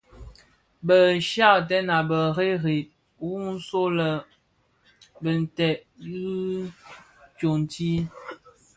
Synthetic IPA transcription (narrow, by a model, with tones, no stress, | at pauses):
bə˨ʃa˦˨tɛ˦na˨bə˨ɣe˦ɣi˨t̚ | wu˦n̩˦so˦lə˨ | bə˨n̩˨tɛ˨ʔɣi˦ | kjo˨n˨ti˦